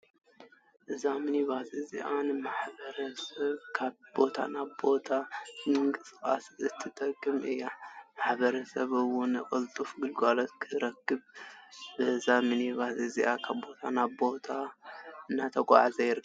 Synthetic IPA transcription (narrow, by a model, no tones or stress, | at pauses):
ʔɨzamɨniβaziziʔanɨmaħbɐɾɐsɐβkʰaβbo̞t̪ʰa̰naβbo̞t̪ʰamɨŋkʼɨskʼa̰sɨt̪ʰːɨt̪ʼɐkʼːɨmʔɨjːamaħbɐɾɐsɐβɨwʊnɨkʼɨlt̪ʼufɡɨlɡalɐt̪kʰɨɾɐkːɨβbɨzamɨniβaziziʔakʰabbo̞t̪ʰanaβbo̞t̪ʰaɨnːat̪ʰɐkʼa̰ʕazɐjɪɾɨk